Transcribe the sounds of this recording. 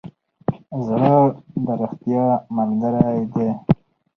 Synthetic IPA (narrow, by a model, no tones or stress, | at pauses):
zɽəd̪əɾəxt̪jɑmalɡəɾajd̪e